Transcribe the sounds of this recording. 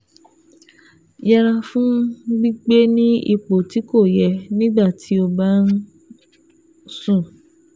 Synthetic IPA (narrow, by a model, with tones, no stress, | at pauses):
ja˧ɾa˧fũ˦ɡ͡bi˦ɡ͡be˦nĩ˦i˧k͡po˨ti˨˦ko˦˨jɛ˨˧nĩ˦ɡ͡ba˦˨tʰi˨˦o˧ba˦n̩˦ | sũ˦˨